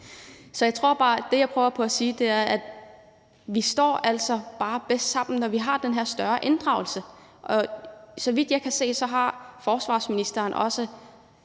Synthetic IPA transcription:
sɒ̽jɑ̈ɪt͡sʰʁo̝ɐ̰b̥ɑ̈ːd̥e̝jɑ̈ɪpʰʁœʊɐpʰɒ̽æsiːd̥e̝æɐʔæd̥ | ʋisd̥ɒ̰ːʔæl̰sɒ̽b̥ɑ̈ːb̥esd̥sɑ̈m̰n̩nɒʋiɦɑ̈d̥enɦeɐ̰sd̥ɶɐʔe̝nd̥ʁɑ̈ʊl̩səʔɒ̽sɒ̽ʋid̥jɑɪkʰæse̝̰ːsɒ̽ɦɑ̈fɒːsʋɑ̰̈ːsminisd̥ɐːnʔɒ̽sə

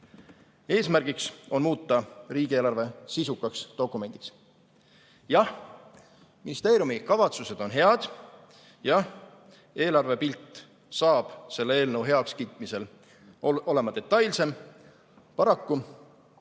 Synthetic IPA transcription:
e̞ːsmærɡ̥ikso̞nmuːt̪ˑːɑriːɡ̥ieːlɑrve̞sisukːˑɑkst̪o̞kːˑume̞nʲd̪iks | jɑh | minist̪e̞ːɾjumikɑvɑt̪suse̞d̪o̞nɦe̞ɑd̪̥ | jɑh | e̞ːlɑrve̞pilt̪ˑː | sɑːb̥se̞lːee̞ːlnəwɦe̞ɑkskiːt̪ːˑmise̞l | o̞le̞mɑd̪e̞t̪ːˑɑjlse̞m | pɑɾɑkːu

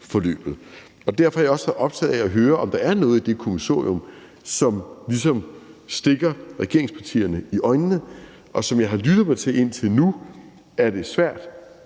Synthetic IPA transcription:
fɒ̽lø̰ːb̥ð̞̩ˠ | ɒ̽d̥æɐfɒ̽æjɒ̽sɑʔɒ̽b̥̚t͡sʰɛ̰ːð̩ˠɛɒɦøːɐʔɒ̽md̥ɑ̈æɐnɔ̽ːð̞̩ˠid̥e̝kʰo̝miso̝̰ːiɔ̽m | sɒ̽mlis̬ɒ̽msd̥e̝ɡ̥ɐʁɛɡ̥e̝ɐ̰e̝ŋspʰɑ̈t͡sʰḭːɐnəiʔɒ̽ɪnːə | ʔɒ̽sɒ̽mjɑ̈ɪɦɑ̈lyd̥ðˠmɑ̈ɪt͡sʰe̝e̝n̰t͡sʰe̝lnu | æɐd̥e̝sʋæɐ̰d̥

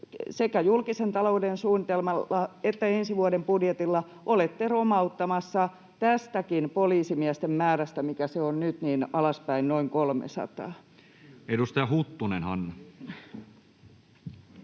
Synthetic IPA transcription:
sekæjulkisent̪ɑloudensuːnːit̪elmɑlːɑet̪ːæensiʋuɑdempudjet̪ilːɑ | ʔolet̪ːeromɑut̪ːɑmɑsːɑ | t̪æst̪ækinpoliːsimiæst̪emmæːɾæst̪æmikæseonnyt̪niːnɑlɑspæinnoiŋkolmḛsɑ̰t̪ɑ̰ː | edust̪ɑjɑhut̪ːunenhɑ̰nːɑ

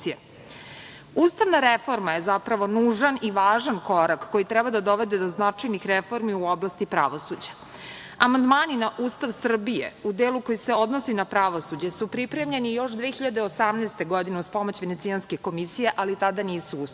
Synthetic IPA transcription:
ie | uːst̪aʋnaɾefo̞ɾmaje̞zapɾaʋo̞nuːʒaniʋaːʒanko̞ɾakːo̞jit̪ɾɛbad̪ad̪o̞ʋed̪e̞d̪o̞znat͡ʂajnixɾefo̞ɾmiuoblast̪ipɾa̰ʋosud͡ʑḁ | amand̪maːninaʔuːst̪aʋsr̩bijḛud̪eːluko̞jiseo̞d̪nosinapɾaʋo̞sud͡ʑesupɾipɾe̞mʎe̞nijo̞ʃd̪ʋexiʎad̪eosamneːst̪e̞ɡo̞d̪ineuspo̞mot͡ɕʋenet̪sianske̞ko̞misijeʔalit̪ad̪aniːsuu

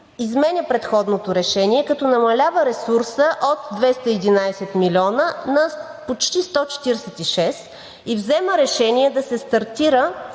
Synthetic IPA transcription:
izmɛnʲəpɾɛt̪xɔd̪not̪oɾɛʃɛniɛkɐt̪ɔnɐmɐlʲavəɾɛsuɾsəʔot̪̚d̪vɛst̪əid̪inajsɛt̪milʲɔnənɐpot͡ʃt̪ist̪ɔt͡ʃɛ̥t̪iɾɛsɛt̪iʃɛs | ivzɛməɾɛʃɛniɛd̪ɐsɛst̪ɐɾt̪iɾə

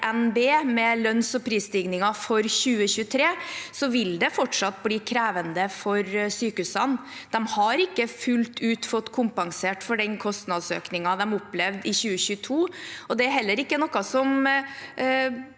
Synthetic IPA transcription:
ʔɛnbeːmɛlœnsɔpʰɾiːst̪ɪɡnɪŋɑfɔɾɕʉːəçʉːət̪ʰɾeːsɔʋɪld̪ɛfɔʈʂɑt̪ːbliːkʰɾæːʋənd̪əfɔɾsyːkʉsənd̪̥ɛmhɑɾɪkːəfʉlt̪ʰʉːt̪fɔt̪ːkʰʊmpɑŋseːʈfɔɖɛnkʰɔst̪nɑd̪sø̰ːknɪŋɑd̪ɛmʊpːlɛʋd̪ɪçʉːəɕʉːt̪ʰuːɔd̪ɛæɾɦɛlːəɾɪkːənɔkːɑsɔm

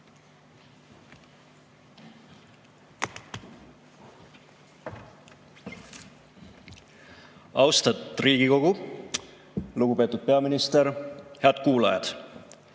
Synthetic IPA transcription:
ɑwst̪ɑt̪ːˑriːɡ̥iko̞ɡ̥u | luɡ̥upe̞ːt̪ːˑud̪̥̚pe̞ɑminist̪eɾheɑd̪̥̚kuːlɑjɑ̰d̪̥

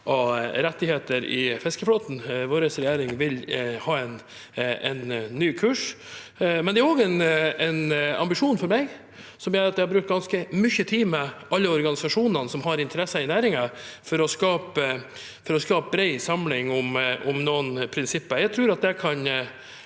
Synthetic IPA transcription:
ʔɔɾɛt̪ːɪheːt̪əɾɪfɛskəfloːt̪n̩ʋoːɾəsɾɛjæːɾɪŋʋɪlhɑːɛnɛnːyːkʰʉːʂ | mɛnd̪ɛæɾɔːɡɛnɛnɑ̰mbɪʂuːnfɔɾmɛɡ | sɔmjøːɾɑt̪d̪ɛhɑɾbɾʉkt̪ɡɑnskəmʏçət̪ʰiːmɛɑlːəɔɾɡɑnɪsɑʂuːnənəsɔmɦɑɾɪnt̪ʰəɾɛsəɪnæːɾɪŋɑfɔɾɔskɑːpə | fɔɾɔskɑːp̚bɾɛɪsɑmlɪŋʊmʊmnoːənpʰɾɪnsɪpːəjæɪɡt̪ʰɾʉːɾɑt̪̚d̪ɛkʰɑn

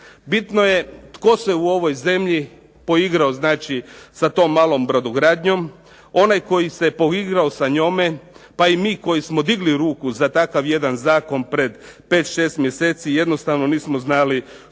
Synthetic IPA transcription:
bit̪noje̞t̪ko̞se̞uo̞ʋo̞jze̞mʎi | po̞iɡɾaoznaːt͡ʃisat̪o̞ːmːaːlˠo̞mbɾod̪uɡɾaːd̪ɲo̞m | o̞najko̞jise̞po̞iɡɾaosaɲomepaimiːko̞jismo̞d̪iɡliɾuːkuzat̪akaʋje̞d̪anzaːko̞npɾe̞d̪ | peːt̪ʃe̞ːst̪mje̞se̞t̪sije̞d̪no̞st̪aʋno̞niːsmoznali

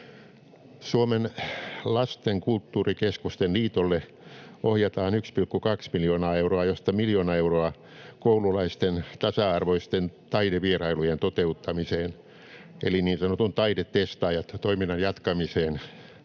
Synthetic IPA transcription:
suomenlɑst̪eŋkult̪ːuːrikeskust̪enliːt̪olːe | ʔohjɑt̪ɑːnykspilkːukɑksmiljoːnɑːeuroɑjost̪ɑmiljoːnɑeuroɑ | koululɑist̪ent̪ɑsɑɑrʋoist̪ent̪ɑideʋierɑilujent̪ot̪eut̪ːɑmiseːn | ḛliniːnsɑnot̪unt̪ɑidett̪ːest̪ɑːjɑt̪t̪oiminːɑnjɑt̪kɑmiseːn

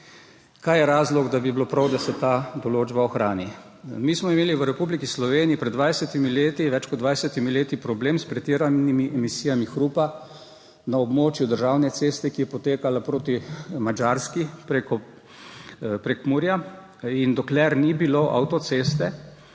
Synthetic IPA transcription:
kajɛɾaːzlɔɡd̪abiblopɾawd̪asɛt̪ad̪ɔloːd͡ʒbaɔxɾaːni | miːsmɔimeːliʋəɾɛpublikislɔʋeːniipɾɛd̪d̪ʋajsɛt̪imileːt̪iʋɛt͡ʃkɔd̪d̪ʋajsɛt̪imileːt̪ipɾɔbleːmspɾɛt̪iɾanimiʔɛmisijamixɾupa | naɔbmoːt͡ʃjud̪əɾʒawnɛseːst̪ɛkijɛpɔt̪eːkalapɾoːt̪imad͡ʒaɾskipɾekɔ | pɾɛkmuɾja | ind̪ɔklɛɾnibiloʔa̰wt̪ɔt̪sest̪ɛ

